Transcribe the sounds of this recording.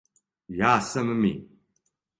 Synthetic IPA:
jaːsɐməmḭ

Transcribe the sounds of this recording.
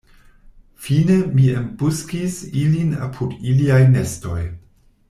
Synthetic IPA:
fine̞miembuskisilina̰pʰudiliajne̞sto̞̰j

